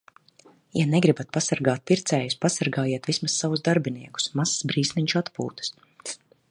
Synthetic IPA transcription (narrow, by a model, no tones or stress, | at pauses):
janɛɡɾibat̪̚pasaɾɡaːt̪̚piɾt̪sɛːjuspasaɾɡaːjiɛt̪vismasːavuzd̪aɾbiniɛku̥smassbɾiːsmʲiɲt͡ʃat̪pṵːt̪ɨ̥s